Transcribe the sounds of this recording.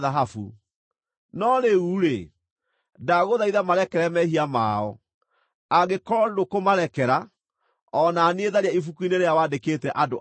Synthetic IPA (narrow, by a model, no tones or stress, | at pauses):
ðaɦafṵ | nɔɾeuːɾe | daɣoðaiðamaɾɛkɛɾɛmɛɦiama̰ːɔ̰ | aɣekɔɾɔdokomaɾɛkɛɾa | ɔnaːneeðaɾeaifukuineɾejawadekeːtɛʔado